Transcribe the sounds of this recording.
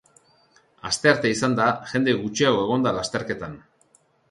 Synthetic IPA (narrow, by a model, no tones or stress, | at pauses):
ast̪e̞aɾt̪e̞isand̪aʝe̞nd̪e̞ɣut͡ʃiawe̞ɣ̞o̞nd̪alast̪e̞ɾke̞t̪an